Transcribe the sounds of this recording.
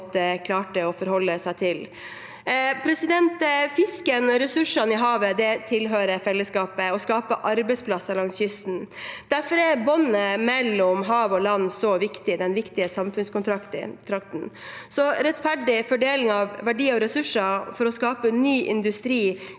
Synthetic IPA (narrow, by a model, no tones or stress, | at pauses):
t̪əkʰlɑːʈəɔfɔɾhɔlːəsæɪt̪ʰɪl | pʰɾɛsɪd̪ɛnt̪fɪskənɔɾɛsʉʂɑnɪɦɑːʋəd̪ɛt̪ʰɪlɦøːɾəfɛlːəskɑːpəɔskɑːpəʔɑɾbɛɪspʰlɑsɑɾlɑŋsjʏst̪n̩d̪̥æɾfɔɾɛɾbɔnːəmɛlːɔmɦɑːʋɔlɑnːsɔʋɪkt̪ɪd̪ɛnʋɪkt̪ɪəsɑmfʉnskʊnt̪ʰɾɑkt̪ɪ̰t̪ʰɾɑkt̪n̩sɔɾɛt̪fæɖɪfɔɖeːlɪŋɑʋʋæɖiːɔɾɛsʉʂːɑfɔɾɔskɑːpənyːʔɪ̰nd̪ʉst̪ɾiː